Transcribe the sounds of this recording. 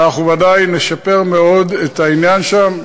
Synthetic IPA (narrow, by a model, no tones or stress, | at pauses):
aχuvadajne̞ʃape̞ʁmeo̞d̪et̪ainjanʃam